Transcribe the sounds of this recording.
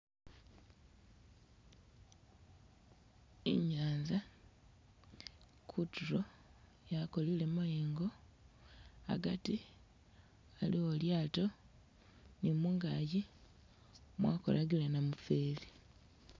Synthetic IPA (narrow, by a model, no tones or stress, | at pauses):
ḭɲaːnza | kʰutuɾo | jako̞lile̞majeːŋɡo̞ | a̰ɡati | alioljaːto̞ | nimuŋɡaji | mwaːko̰laɡilenamufeːli